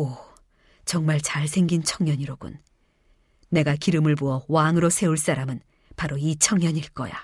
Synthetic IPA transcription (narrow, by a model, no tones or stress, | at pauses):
o | t͡ɕʌŋmaɭt͡ɕaɭsʰe̞ŋɡint͡ɕʰʌŋɲʌɲiɾoɡṵn | e̞ɡakiɾɯmɯɭbuʌwaŋɯɾosʰe̞uɭs͈aɾamɯn | paɾoit͡ɕʰʌŋɲʌɲiɭk͈ʌ̰ja̰